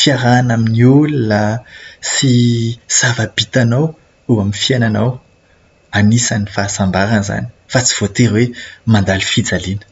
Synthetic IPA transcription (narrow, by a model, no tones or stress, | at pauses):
fiaɾanaminiulunasisavab̥it̪anaw | uaminfiananaw | anisanifasambaɾənza̰ni̥fat͡si̥v̥ot̪eɾwemand̪ali̥fid͡zalinə̥